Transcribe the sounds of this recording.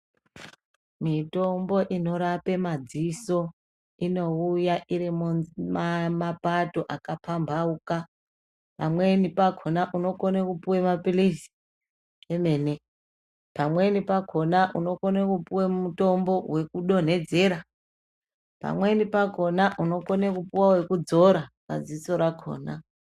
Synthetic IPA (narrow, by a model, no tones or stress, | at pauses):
mito̞mbo̞ʔino̞ɾape̞mad͡ziso̞ | ino̞ujaʔiɾimmmapato̞ʔakapambʱauka | pamwe̞nipaɡʱo̞naʔuno̞konekupuwemapilisi̥ | eme̞ːne̞ | pamwe̞nipaɡʰʱo̞naʔuno̞konekupuwemuto̞mbo̞we̞kuɗo̞n̤e̞d͡ze̞ɾa | pa̰mwe̞nipaɡʱo̞naʔuno̞konekupuwawe̞kud͡zo̞ɾara̰ziso̞ɾako̞̰ːna